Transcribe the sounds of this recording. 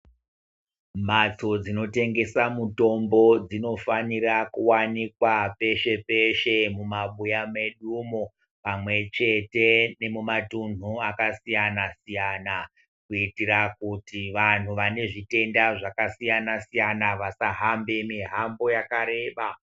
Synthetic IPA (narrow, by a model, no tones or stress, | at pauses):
mat͡so̞d͡zino̞te̞ŋɡe̞samuto̞mbo̞d͡zino̞fanirakuwanikwape̞ʃe̞pe̞ʃe̞mumaɓujame̞ɗumo | pamwe̞t͡ʃe̞te̞ne̞mumatun̤uakasijanasijana | kuitirakutiʋan̤uʋane̞ʐite̞ndaʐakasijanasijanaʋasaɦambe̞miɦambo̞jakaɾe̞ːɓa